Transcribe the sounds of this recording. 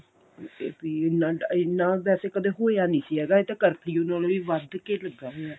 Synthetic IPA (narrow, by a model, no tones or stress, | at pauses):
biːɪnːãːɖaɪnːãːbɛːseːkəd̪eːɦoːeaːnĩːsiːɦɛːɡaːeːt̪eːkəɾpʰiːonãːloːiːʋəd̪keːləɡːaːɦojaː